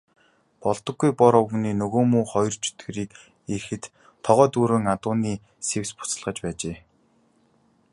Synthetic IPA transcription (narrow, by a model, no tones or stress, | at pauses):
pɔɮt̪ɞ̆ɡːujpɔɾɔwɣniːnɵɣoːmuːχɔjɞrt͡ɕʰɵ̥t̪ɡ̆ɾiːk | erxɘ̆t̪ | t̪ʰːɔʁœːt̪uːɾɵ̆ːŋat̪ʊːniː | sewspʊ̥t͡sə̆ɮʁə̆t͡ɕpæːt͡ɕeː